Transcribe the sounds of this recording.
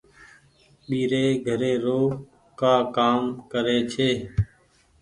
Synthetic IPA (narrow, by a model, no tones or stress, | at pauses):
ɓiːɾeːɡʱəɾeːɾoː | kaːkaːmkəɾeːt͡ʃʰeː